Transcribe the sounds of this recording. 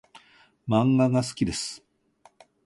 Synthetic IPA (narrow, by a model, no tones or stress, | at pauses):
mãŋɡaɡasɨ̥kʲid̪e̞sɨ̥